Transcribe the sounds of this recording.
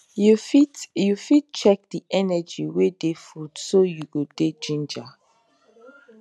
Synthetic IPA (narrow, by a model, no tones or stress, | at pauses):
jfitjufit̚t͡ʃɛk̚diʔɛnɛd͡ʒiwedefudsojuɡod̥ed͡ʒĩnd͡ʒa